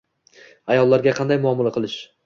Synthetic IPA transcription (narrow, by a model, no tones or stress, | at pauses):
ajɒlˠːaɾɡʲaqʰɑnd̪ajmʊɒmalˠaqʰɨlˠɪʃ